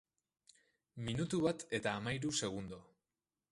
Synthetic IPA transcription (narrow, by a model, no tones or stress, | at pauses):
minut̪uβat̪e̞t̪aːmajɾuse̞ɣ̞und̪o̞